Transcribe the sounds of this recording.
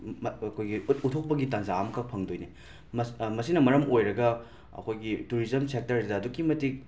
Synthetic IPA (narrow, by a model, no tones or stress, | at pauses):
kʰojɡitutʰok̚pɐɡitanzaːmkʰɐpʰɐŋdojni | mɐsmɐsinɐmɐɾɐmojɾɐɡɐ | ɐ̰kʰojɡituɾizɐmsek̚tɐɾdɐːdukimɐtik̚